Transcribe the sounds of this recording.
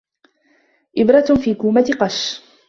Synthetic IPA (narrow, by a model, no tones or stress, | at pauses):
ʔɪbɾˤɑt̪fiːkuːmat̪ɪqɑʃ